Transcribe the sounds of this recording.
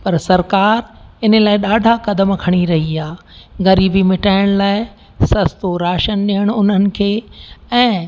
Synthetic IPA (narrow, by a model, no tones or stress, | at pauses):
pɐɾsɐɾkaːɾɪnəlaːɪɗaːɖʱakɐd̪əmkʰɐɽ̃iɾɐɦiaː | ɣɐɾiːbimɪʈaːɪɽ̃laːɪ | sɐst̪oɾaːʃənɗiɦəɽ̃ʊn̤ənɪ̆kʰeːɛ̃ː